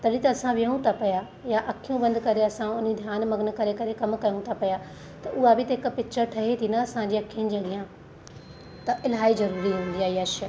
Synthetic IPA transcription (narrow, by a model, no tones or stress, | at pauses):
t̪ɐɗit̪ɐɐsãʋijəũt̪ʰapɐja | jaʔɐkʰijũbɐ̃nd̪kɐɾeɐsãʊnid̪ʱjaːnmɐɡən̆kɐɾekɐɾekɐmkɐjũt̪ʰapɐja | t̪ɐʔʊɦabɪt̪ɐɦɪk̆pɪt͡ʃʰəɾʈʰɐɦet̪ʰinɐɐsãd͡ʑeːɐkʰijənɪ̆d͡ʑiɐɠijã | t̪ɐʔɪlɦaːizɐɾuːɾiɦũːn̆d̪ijaiaʃə